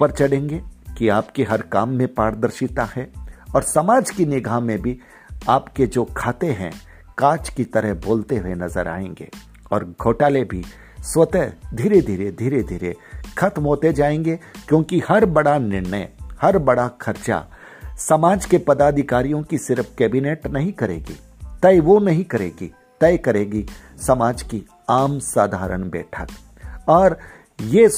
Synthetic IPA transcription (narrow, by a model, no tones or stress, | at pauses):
pɐɾt͡ʃɐɽẽːŋɡekiaːpkeɦɐɾkaːmːẽpaːɾd̪əɾʃit̪ahɛɔːɾsɐmaːd͡ʒkinɪɡʱaːmẽbʱi | aːpked͡ʒoːkʰaːt̪eɦɛ̰̃ | kaːt͡ʃkit̪ɐɾəɦboːlt̪eɦʊenɐzəɾʔa̰ːḛ̃ːŋɡḛː | ɔːɾɡʱoːʈaːlebʱi | swɐt̪əd̪ʱiːɾed̪ʱiːɾed̪ʱiːɾed̪ʱiːɾḛxʰɐt̪mɦoːt̪ed͡ʒaːẽːŋɡekjõːkihɐɾbɐɽanɪɾnə̰hɐɾbɐɽaxʰɐɾt͡ʃa̰ | sɐmaːd͡ʒkepɐd̪aːd̪ʱɪkaːɾijõkisɪɾfʰkɛːbineːʈnɐɦĩkɐɾḛːɡḭː | t̪ɐiʋonɐɦĩkɐɾḛːɡḭ | t̪ɛjkɐɾeːɡisɐmaːd͡ʒki | aːmsaːd̪ʱaːɾə̰ɽ̃bɛ̰ːʈʰə̰t̪ | ɔːɾ | jeː